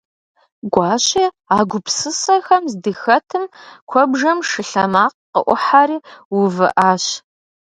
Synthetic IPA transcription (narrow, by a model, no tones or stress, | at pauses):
ɡʷɑːɕʼiː | aːɡʷʊpsɨsɐxɐmzdɨxɐtʰɨmkʷʰɔbʐɐmʂɨɬɐmaːqqəʔʷʊħaːɾiːwʊvɨʔaːɕ